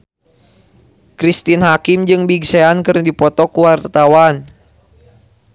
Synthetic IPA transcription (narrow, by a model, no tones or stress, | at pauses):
kɾist̪inɦakimd͡ʒɨŋbiɡseankɨrdipɔt̪ɔkuwart̪awan